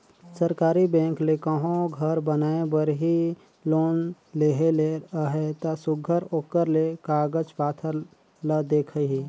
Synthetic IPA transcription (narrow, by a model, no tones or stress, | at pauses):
səɾkaːɾibɛ̃ːklekaːɦõɡʱəɾbənaːebəɾɦi | loːn | leɦeleɦet̪asʊɡʱəɾoːkəɾlekaːɡəd͡ʒpaːt̪ʰəɾ | ləd̪eːkʰəɦi